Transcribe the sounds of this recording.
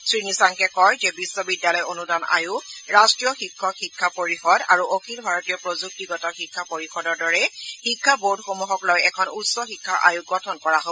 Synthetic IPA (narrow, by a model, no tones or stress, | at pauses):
sɹinisaŋkɛkɔjzɛbisːɔbidːalɔjonudana̰jʊɹastɹijɔxikʰːɔxikʰːapoɹixɔda̰ɹuʔokʰilbʱaɹotijɔpɹozuk̚tiɡɔtɔxikʰːapoɹixɔdɔɹdɔɹɛxikʰːaboɹdxomuɦɔklojɛkʰɔnutsɔxikʰːaʔa̰juɡɔtʰɔnkɔɹaɦo